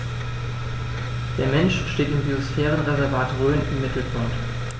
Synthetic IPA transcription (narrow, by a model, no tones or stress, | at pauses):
d̥eːɐmɛnʃʃteːtɪmɡiosfɛːʁ̞ənʁɛzɛɐvaːtʁøːənɪmːɪtl̩pʰɔɐt